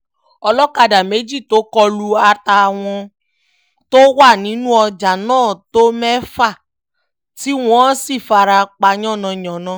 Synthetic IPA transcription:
ɔ˧lɔ˦ka˧da˨me˨˦d͡ʒi˦˨to˨˦kɔ˧lu˧a˧ta˧w̃ɔ̃˧ | to˦wa˦˨nĩ˨˦nũ˦ɔ˧d͡ʒa˨nãː˦˨to˦mɛ˦fa˦˨ | ti˨˦w̃ɔ̃˦si˦˨fa˧ɾa˧k͡pa˧˦ɲɔ̃˦˨nɔ̃˧˨ɲɔ̃˨nɔ̃˧

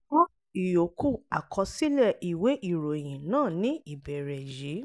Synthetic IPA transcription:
ɔ̃˦ | i˨jo˨ku˦˨a˨kʰɔ˧si˦lɛ˦˨ʔi˨we˨˦ʔi˦˨ɾo˨j̃ĩ˨nãː˦˨nĩ˦i˦˨bɛ˨ɾɛ˨ji˨˦

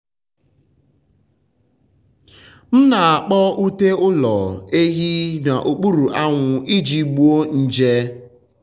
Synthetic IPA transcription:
n̩˦na˨a˨k͡pɔ˦u˦te˦ʊ˦lɔ̰˨e˦ɦi˦na˨ʔo˨k͡pu˦ɾu˨ʔa˦ŋʷʊ˨i˦d͡ʒi˨ɡ͡bu˦o˦n̩˦d͡ʒe˦

